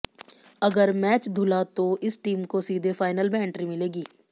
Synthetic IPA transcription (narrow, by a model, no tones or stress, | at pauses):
ɐɡəɾmɛːt͡ʃd̪ʱʊlat̪oʔɪsʈiːmkosiːd̪ʱefʰaːɪnəlbɛːɳʈɾimɪleːɡiː